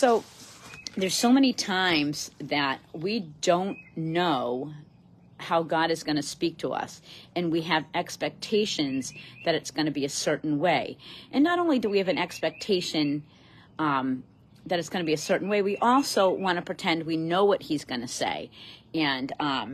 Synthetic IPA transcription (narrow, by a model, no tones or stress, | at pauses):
soʊ | ðə˞z̥soʊmɛñitʰãɪ̃mz̥ðɨt̚widõʊ̃nːoʊ | haʊɡɑɾɨzɡʌnɨspik̚tʰəʌ̰sɨ̃nwiɨvɛkspɛk̚tʰeɪʃɨ̃nzðɨɾɨtsɡ̥ʌnɨbiɨsɜ˞ʔn̩weɪʔɨ̃nːəɾõʊ̃nlidɨwiɨvɨ̃nɛkspɛk̚tʰeɪʃɨ̃n | m | ðɨɾɨtsɡ̥ʌnɨbiɨsɜ˞ʔn̩weɪwiʔɔlˠsoʊwɑ̃ñɨpʰɹ̥ɨtʰɛ̃nd̚winoʊwʌt̚hizɡʌnɨsḛɪɨ̃n